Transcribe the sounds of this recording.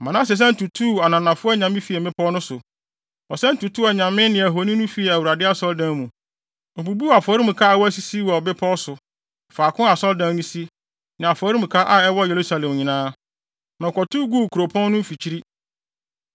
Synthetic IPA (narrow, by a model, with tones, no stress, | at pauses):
mã˨nã˦s̬ɪ˨s̬ɛ̃˦n̩˦tu˨tʰu˦˨a˨nã˨nã˨fʊ˦ɛ˦ɲã˨mɪ̃˦fi˨ɛ˨mɪ̃˦pʰɔ˦nʊ̃˦sʊ˨ | ɔ˨sɛ˦n̩˦tu˨tʰu˦ɛ˨ɲã˨mɪ̃˦nɪ̃˨æ˨ɦo˨nĩ˦nʊ̃˦fi˨˦ɛ˨æ˨wu˨ɾa˨dɪ˦a˦sɔ˦ldã˦˨nmũ˨ | ɔ˨bu˨bu˦˨a˨fɔ˨˦ɾi˦mũ˨kʰa˦ɛ˦wɔ˦æ˦si˨si˦wɔ˨bɪ˦pʰɔ˦ɔ˦sʊ˨ | faː˨kʰʊ̃˦a˨sɔ˦ldã˦nnĩ˦si˦ | nɪ̃˨a˨fɔ˨˦ɾi˦m̩ũ˨kʰa˦ʔa˨ɛ˦wɔ˦je˨ɾu˦sa˦lɛ̃˨mɲĩ˨nãː˦ | nɔ̃˨kɔ˨tu˦ɡu˦˨kʰu˨ɾo˨pʰɔ̃˦nː˦ʊ̃˦fi˨t͡ɕʰi˦ɾi˦